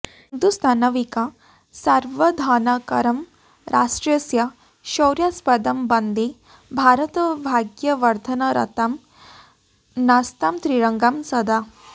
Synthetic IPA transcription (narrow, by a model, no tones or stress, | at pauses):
nd̪ust̪ʰaːnɐʋika | sɐɾʋɐd̪ʱaːnakɐɾɐm | ɾʔaːʂʈɾɐsjɐ | ʃɐwɾjaspɐd̪ɐmbɐnd̪e | bʱaːɾɐt̪ɐbʱaːɡjɐʋɐɾt̪ʰɐnɐɾɐ̰t̪ɐm | nast̪amt̪ɾiɾɐŋɡamsɐd̪a